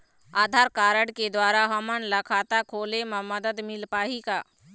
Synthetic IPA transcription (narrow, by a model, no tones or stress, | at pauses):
aːd̪ʱaːɾkaːɾəɽked̪waːɾaɦɐmənlɐkʰaːt̪akʰoːlemãməd̪əd̪mɪlpaːikaː